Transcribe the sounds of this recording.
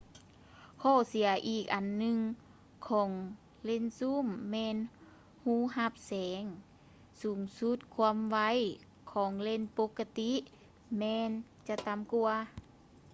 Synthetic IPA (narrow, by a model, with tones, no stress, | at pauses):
kʰɔː˧˩si˩˦ɐʔiː˧˩k̚ʔa˨nːɯ˧˨ŋ | kʰɔː˩˦ŋ | le˧˥˨nsu˧˥˨mːɛː˧n | huː˧˥˨ha˧˦p̚sɛː˨˦ŋ | suː˨˩˦ŋsu˧˦˥t̪̚kʰu˧˨mʋa˧˩˨j | kʰɔː˨˩˦ŋle˧˥˨npo˧˦kːa˧t̪i˧˥ | mɛː˧n | t͡ɕa˧t̪a˨˦mku˧ɐ